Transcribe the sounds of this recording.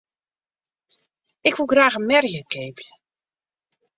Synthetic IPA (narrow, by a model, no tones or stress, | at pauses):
ɪkʋulˠɡraːɣənmɛrjəkeːblə